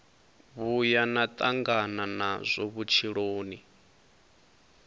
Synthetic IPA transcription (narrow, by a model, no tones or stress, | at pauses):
βujanat̪ʼaŋɡananazʷɔβut͡ʃʰiɺoːni